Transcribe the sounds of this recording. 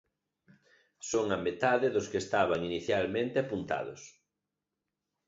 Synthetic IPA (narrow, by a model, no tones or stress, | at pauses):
soŋɐmet̪aðɪðʊskest̪aβ̞aŋiniθjalmẽnt̪eapunt̪a̰ðʊ̰s